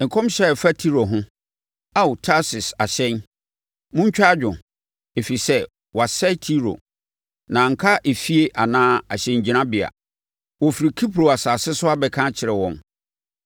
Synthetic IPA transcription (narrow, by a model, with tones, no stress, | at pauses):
ŋ̩˨kʰɔ̃˦mɕɛ˦˨fa˦tʰi˦ɾo˨ɦʊ̃˦ | a˦wtʰa˦sɪ˨sa˨ɕɛ̃˦n | mʊ̃˦ɲ̩˦t͡ɕᶣa˦d͡ʑᶣʊ̃˨ | e˨fi˨sɛ˦ | wa˨sɛ˦tʰi˦ɾo̰˨ | nã˨ŋ̩˨kʰa˦ʔe˨fi˦e˦ʔa˨nãː˦a˨ɕɛ̃˨ɲ˨d͡ʑi˨nã˦bɪ˨a̰˨ | wɔ˨fi˨ɾi˨kʰi˦pʰɾo˨a˨saː˨sɪ˦sʊ˦a˦bɛ˨kʰã˦t͡ɕʰɪ˨ɾɛ˨wɔ̃˨m